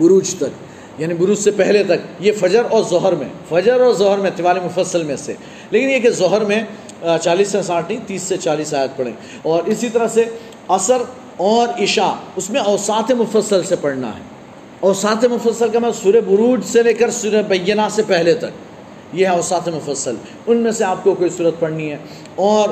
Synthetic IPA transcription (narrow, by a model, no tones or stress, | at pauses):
bʊɾuːd͡ʒt̪ɐk | jaːnibʊɾuːd͡ʒsepɛɦlet̪ɐkjefɐd͡ʒəɾɔːɾzɔɦəɾmḛ̃fɐd͡ʒəɾɔːɾzɔɦəɾmẽt̪ɪʋaːlimʊfəsːəlmẽsḛ | leːkɪnjekezɔɦəɾmẽ | t͡ʃaːliːsɛ̃s̬aːʈʰnĩt̪iːsːet͡ʃaːliːsaːjət̪̚pɐɽḛ̃ | ɔːɾɪsit̪ɐɾəɦse | ɐsəɾ | ɔːɾɪʃaʊsmẽɐːsaːt̪emʊfəsːəlsepɐɽna̰ɦɛ̰ː | ɔːsaːt̪emʊfəsːəlkamɛ̃suːɾebʊɾuːd͡ʒseleːkəɾsuɾebɐjːənasepɛɦlet̪ɐk̚ | jeɦɛɔːsaːt̪ɦemʊfəsːəl | ʊnmẽseaːp̚kokoːisuːɾət̪̚pɐɽniɦɛː | ɔːɾ